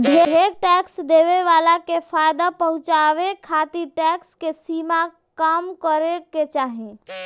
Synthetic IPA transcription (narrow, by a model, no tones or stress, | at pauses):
bʱeɦeɾʈɛksd̪eːʋeʋaːlakefʰaːjd̪apəɦʊ̃t͡ʃaʋekʰat̪iʈɛkskesiːma | kaːmkəɾeket͡ʃaːɦẽ